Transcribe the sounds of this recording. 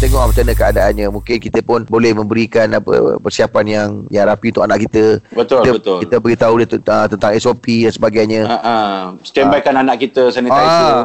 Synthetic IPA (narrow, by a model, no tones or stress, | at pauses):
t̪əŋɔʔmət͡ʃanəkəadaanɲãmũŋkɪnkit̪əpʊnbolɛhmə̃mbəɾikanapə̰pərsiapanjaŋjaɾapiunt̪ʊkanaʔkit̪əbət̪ʊlt̪əbət̪ʊlkit̪əbəɡit̪audit̪ət̪ənt̪aŋɛsopidansəbaɡajɲə̃aʔasə̥t̪ɛmbakananaʔkit̪əsanə̃a